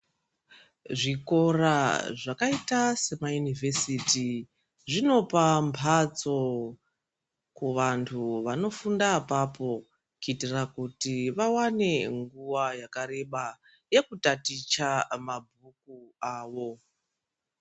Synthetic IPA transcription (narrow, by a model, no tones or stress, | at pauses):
ʐiko̞raʐakaitase̞majunivʱe̞siti | ʐino̞pampʰat͡so̞ | kuʋantʰuʋano̞fundapapo̞ | kuitirakutiʋawane̞ŋɡuwajakaɾe̞ɓa | je̞kutatit͡ʃamabʱuk̚uaːʋo̞